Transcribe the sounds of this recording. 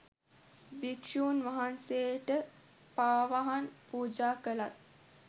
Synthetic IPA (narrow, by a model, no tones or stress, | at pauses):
bikʂuːnʋaɦanseʈə | paːʋaɦanpuːd͡ʒaːkəlat̪̚